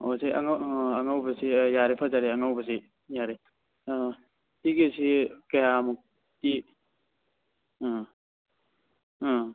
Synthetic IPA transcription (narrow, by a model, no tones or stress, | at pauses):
osia̰ŋaɐŋawbɐsijaɾipʰazaɾiaŋawbɐsi | jaɾi | tiɡesikajamuk̚ | ti